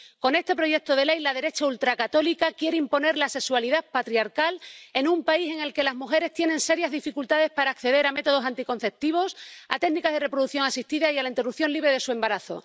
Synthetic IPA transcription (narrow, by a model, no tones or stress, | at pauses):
ko̞ne̞st̪e̞pɾo̞ʝe̞k̚t̪o̞ðe̞le̞jlaðe̞ɾe̞t͡ʃault̪ɾakat̪o̞likakje̞ɾeimpo̞ne̞ɾlase̞kswaliðapat̪ɾiaɾkale̞nũmpaise̞ŋe̞lke̞lazmuxe̞ɾe̞st̪je̞ne̞nse̞ɾjazðifikult̪aðe̞spaɾaːkθe̞ðe̞ɾame̞t̪o̞ð̞osant̪iko̞n̟θe̞p̚t̪iβ̞o̞sa̰t̪e̞ɡnikazðere̞pɾo̞ðuθjo̞ŋasist̪iðaialaint̪e̞rupθjo̞nliβɾe̞ð̞esue̞mbaɾaθo̞̰